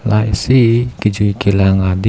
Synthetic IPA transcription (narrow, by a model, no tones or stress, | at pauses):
laisikid͡ʒuikilaŋad̪i